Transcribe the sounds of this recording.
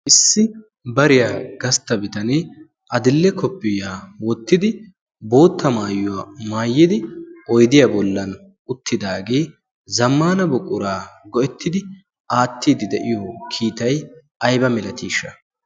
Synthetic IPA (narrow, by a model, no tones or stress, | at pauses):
ʔɪsːɪ | bɐɾɪjaːɡɐst̪ɐbɪt̪ɐneː | ʔɐd̪ɪlːɛkɔpːɪjaːwɔt̪ːɪd̪ɪ | bo̞ːt̪ːɐmaːjʊwaːmaːjːɪd̪ɪʔɔjd̪ɪjabɔlːɐn | ʊt̪ːɪd̪aːɡe̞ː | zɐmːaːnɐbʊkʼːʊɾaːɡɔʔɛt̪ːɪd̪ɪ | ʔaːt̪ːiːd̪ɪd̪ɛʔɪjɔkʰiːt̪ɐj | ʔɐjbɐmɛlɐt̪iːʃɐ